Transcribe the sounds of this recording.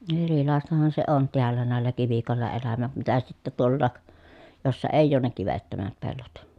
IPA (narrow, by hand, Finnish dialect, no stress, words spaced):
erilɑˑestɑhɑn se on teælːæ næˑelːæ kiʋikoˑelːɑ elæmæt mitæ sitːæ tuolːɑːk josːɑ eˑijˑ oːn ne kiʋetːømæt pelːot